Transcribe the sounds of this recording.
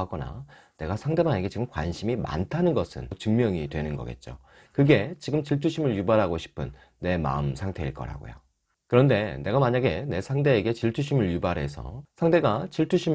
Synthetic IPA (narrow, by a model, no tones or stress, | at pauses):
aɡʌna̰ | ne̞ɡasʰaŋde̞maŋe̞ɡe̞t͡ɕiɡɯmkwa̰nɕʰimima̰ntʰanɯnɡʌsʰɯ̰nt͡ɕɯŋmjʌŋitwe̞nɯnɡʌ̰ɡe̞̰t̚t͡ɕ͈o̰ | kɯɡe̞t͡ɕiɡɯmt͡ɕiɭtʰuɕʰimɯɭjubaɾɦaɡoɕʰi̥pʰɯnː | e̞ma̰ɯmsʰaŋtʰe̞iɭk͈ʌ̰ɾa̰ɡo̰jo̰ | kɯɾʌnde̞ne̞ɡamaɲaɡe̞ne̞sʰaŋde̞ːɡe̞t͡ɕiɭtʰuɕʰimɯɭjubaɾɦe̞sʰʌ̰sʰaŋde̞ɡat͡ɕiɭtʰuɕʰim